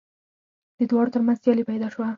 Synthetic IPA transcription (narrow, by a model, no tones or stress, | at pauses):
d̪̥əd̪wɑɽot̪əɾmanzsjɑlipajd̪ɑʃwa